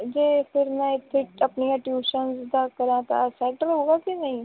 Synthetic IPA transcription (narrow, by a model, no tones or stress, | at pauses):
d͡ʒeːfʰɪɾmɛ̃ɪt̪ʰːɪʈɐpniãʈjuːʃənsd̪ʱakɐɾãt̪a̰sɛʈəɾɦoːɡakinɐɦĩ